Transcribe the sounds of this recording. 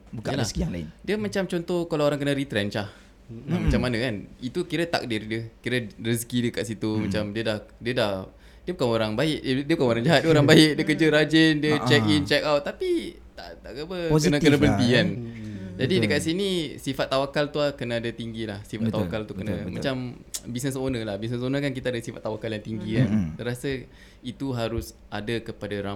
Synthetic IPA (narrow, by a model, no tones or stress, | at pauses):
bualaskiaŋla̰ɪdiəmat͡ʃamt͡ʃont̪ɔhkalaoɾaŋkənə̃ɾit̪ɾɛnt͡ʃah | mat͡ʃamanə̃kanit̪ukiɾət̪a̰k̚dirdiəkiɾərəs̬kidəkaʔ̪sit̪umat͡ʃamdiədahdiədah | diəbukanoɾaŋbaɪʔ̚ddiəbukanoɾaŋd͡ʒaɦat̪̚dəoɾaŋbaɪʔ̚diəkərd͡ʒəɾad͡ʒəndiət͡ʃɛkint͡ʃɛkawt̪ːapi | t̪aʔt̪aʔɡabənãkkənə̃bənt̪iand͡ʒadidəkat̪ʔsinisifat̪ːawakalt̪uakənaːdat̪iŋɡilahsifat̪ːawakalt̪ukənamãt͡ʃambisnəsonə̃lahbis̬nəsonəkankit̪aadasifat̪ːawakaljaŋt̪iŋɡikant̪əɾasa | it̪uɦaɾʊs | adakəpadaɾa